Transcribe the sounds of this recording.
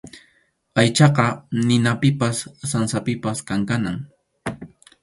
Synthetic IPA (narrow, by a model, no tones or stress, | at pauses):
ajt͡ʃɑqɑnɪnapɪpasːansapɪpaskaŋkanaŋ